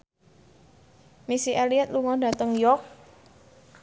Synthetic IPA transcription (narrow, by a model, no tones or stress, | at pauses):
misiʔeliɛt̪̚luŋɔnda̤t̪əŋjɔk̚